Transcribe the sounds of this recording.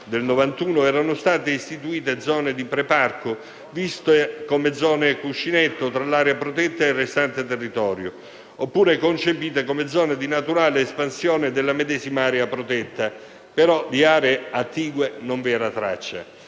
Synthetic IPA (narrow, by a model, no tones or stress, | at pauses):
d̪elnovant̪uːnoɛːɾanʊst̪aːt̪eist̪it̪uiːt̪ed̪zɔːned̪ipɾeparko | vist̪ekomed̪zːɔːnekuʃːinet̪ːot̪ɾalaːɾeapɾot̪ɛt̪ːaerːest̪ant̪et̪erːit̪ɔːɾjo | opːuːɾekont͡ʃepiːt̪ekomed̪zɔːned̪inat̪uɾaːleːspansjɔːned̪elːamed̪ɛːzimaaːɾeapɾot̪ɛt̪ːa | peɾɔd̪iaːɾeːat̪ːiːɡwenoɱvɛːɾat̪ɾa̰t͡ʃːa̰